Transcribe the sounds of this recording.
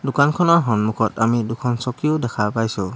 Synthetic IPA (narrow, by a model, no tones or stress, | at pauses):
dukankʰɔnɔɦɔnmukʰɔtamidukʰɔnsɔkiudɛkʰapajsu